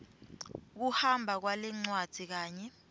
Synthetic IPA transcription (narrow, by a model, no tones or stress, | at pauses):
k̬uhambʱak̬walɛŋ͡ǀwad̥ʱik̬aːɲɛ